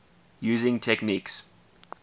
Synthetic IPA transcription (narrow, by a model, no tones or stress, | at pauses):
juːzɪ̃ŋtʰɛkniks